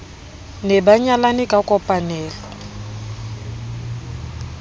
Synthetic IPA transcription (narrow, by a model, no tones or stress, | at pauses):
nɛbaɲalanikʼakʼɔpʼanɛːlɔ